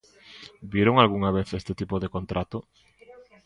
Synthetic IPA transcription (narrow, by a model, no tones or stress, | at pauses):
bjeɾoŋalɣuŋaβ̞eθest̪ɪt̪ipoðekont̪ɾat̪o